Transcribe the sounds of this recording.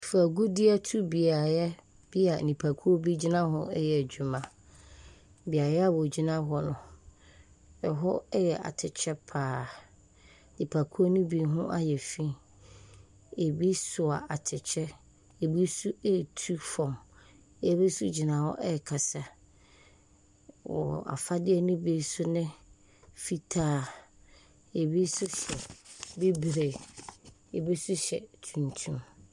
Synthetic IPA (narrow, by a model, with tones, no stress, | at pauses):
fa˨ɡu˦dɪ˦a˦tʰu˦bi˨a˨jɛ˦ | b̥i˦a˨nĩ˨pʰa˨kʰu˦o˦bi˦d͡ʑi˦nã˦ɦɔ˦ɛ˦jɛ˨æ˨d͡ʑu˨mã˨ | bi˨a˨jɛ˦a˦wɔ˨d͡ʑi˦nã˦ɦɔ˦nʊ̃˨ | ɛ˨ɦɔ˦ɛ˦jɛ˨ʔa̰˨tʰɪ˨t͡ɕʰɛ˦pʰaː˨ | nɪ̃˨pʰa˨kʰu˦o˦nũ˦bi˨ɦʊ̃˦ʔa˦jɛ˨fĩ˦ | e˨bi˦sʊ˨a˨a˨tʰɪ˨t͡ɕʰɛ˦ | e˨bi˦su˦e˦tʰu˦fɔ̃˨m˦˨ | bi˦sʊ˦d͡ʑi˨nã˨wɔ̰˦ʔɛ˦˨kʰa˨sa˨ | wɔ̰˨a̰˨fa˦dɪ˦ɛ˦nʊ̃˦bi˦sʊ˦nɪ̃˦ | fi˦tʰaː˦˨ | e˨bi˦sʊ˦ɕɛ˨bi˦bɾe˨ | e˨bi˦sʊ˦ɕɛ̰˨tʰũ˨ntʰũ˦m